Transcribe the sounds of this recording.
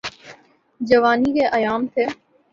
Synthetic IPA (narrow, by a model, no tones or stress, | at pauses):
d͡ʒɐʋaːnikeʔɐjaːmt̪ʰeː